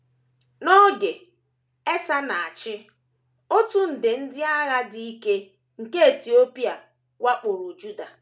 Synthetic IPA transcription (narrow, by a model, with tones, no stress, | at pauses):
nɔ˦ɡe˨ | e˦sa˦na˨a˨t͡ʃɪ˦ | o˦tʊ˦n̩˨dɪ˨n̩˦dɪ˦a˦ɣa˦di˦i˦ke˦ | ŋ̩˨ke˦e˨ti˨o˦pi˦a˨ | wa˦k͡pʊ˨ɾʊ˨d͡ʒu˦da˨